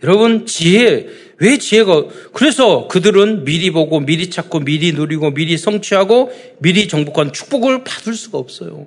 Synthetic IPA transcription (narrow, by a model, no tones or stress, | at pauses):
jʌɾʌbɯnt͡ɕiɦe | we̞t͡ɕiɦe̞ɡakɯɾe̞sʰʌkɯdɯɾɯnmiɾiboɡomiɾit͡ɕʰak͈omiɾinoɾiɡomiɾisʰʌŋt͡ɕʰiɦaɡo | miɾit͡ɕʌŋbukʰwant͡ɕʰu̥k̚p͈oɡɯɭpḁdɯɭs͈uɡaʌp̚s͈ʌjo̰